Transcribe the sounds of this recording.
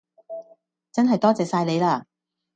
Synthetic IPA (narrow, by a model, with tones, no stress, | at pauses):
t͡sɐ˥nɦɐ˨jt̪ɔː˥t͡sɛː˨saː˧jle˨˧jlaː˧